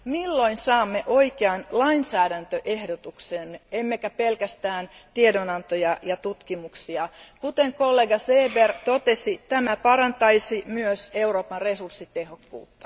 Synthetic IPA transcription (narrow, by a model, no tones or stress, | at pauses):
milːoinsɑːmːeʔoikeɑnlɑinsæːdænt̪øʔehdot̪uksemːeemːekæpelkæst̪æːnt̪iedonɑnt̪ojɑjɑt̪ut̪kimuksiɑkut̪eŋkolːeɡɑseːbert̪ot̪esit̪æmæpɑɾɑnt̪ɑisimyøse̞uro̞ːpɑnresursːit̪e̞ɦokːṵːt̪ːɑ̥